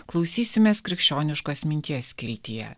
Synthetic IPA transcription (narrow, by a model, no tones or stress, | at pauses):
klˠɒʊsʲiːsʲɪmʲeːskɾʲɪkʃʲt͡ʃʲoːnʲɪʃkoːsmʲɪnʲt̪ʲiɛsʲkʲɪɾʲt̪ʲijɛ̰